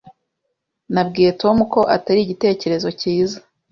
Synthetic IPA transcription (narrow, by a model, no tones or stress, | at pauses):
nab̚ɡiːje̞to̞muko̞ʔataɾiɟite̞ːce̞ɾe̞zo̞ciːza